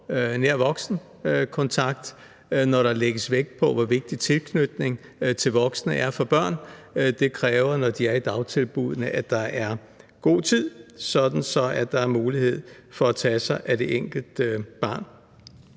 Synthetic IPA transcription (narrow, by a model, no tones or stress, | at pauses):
neɐ̰ʋɒ̽ɡ̥sn̩ | kʰɒ̽nt͡sʰɑ̈ɡ̥d̥ | nɒɾɑ̈leɡ̥əsʋeɡ̥̚pʰɒ̽ʋɒʋe̝ɡ̥̚d̥it͡sʰe̝lkʰnyd̥ne̝ŋ | t͡sʰe̝lʋɒ̽ɡ̥sənəʔæɐfɒ̽b̥ɶɐ̰nd̥e̝kʰʁɛːʊɐnɒd̥iæɐid̥ɑ̈ʊt͡sʰe̝lb̥uð̞̰ˠənəʔæd̥ɑ̈ʔæɐ | ɡ̥o̝̰ːt͡sʰið̞̰ˠsɒ̽d̥n̩sɒ̽æd̥ɑ̈æɐmuːlihe̝ð̞̰ˠ | fɒ̽æt͡sʰɛsɑ̈ɪʔæd̥e̝ʔeŋ̰ɡ̥l̩d̥b̥ɑ̈ːn